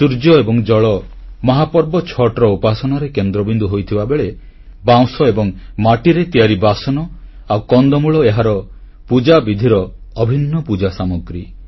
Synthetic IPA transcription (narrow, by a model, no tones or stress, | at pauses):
suɾd͡ʒɔebɔŋd͡ʒɔɭɔmɔɦapɔɾbɔt͡ʃʰɔʈɾɔupasɔnɔɾekend̪ɾɔbind̪uɦojt̪ʰibabeɭe | baw̃sɔebɔŋmaʈiɾet̪iaɾibasɔnɔ | awkɔnd̪ɔmuɭɔeɦaɾɔ | pud͡ʒabid̪ʱiɾɔːbʱinːɔpud͡ʒasamɔɡɾi